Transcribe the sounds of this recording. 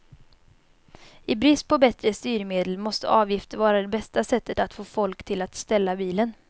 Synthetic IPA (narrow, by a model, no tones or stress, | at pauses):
ɪbɾɪst̪pʰɔbɛt̪ɾəst̪yːɾmeːd̪əlmɔst̪ə̰ʔɑːvjɪft̪əɾvɑːɾad̪ɛbɛst̪asɛt̪ːət̪at̪foːfɔlkt̪ʰɪlat̪st̪ɛlːabiːlən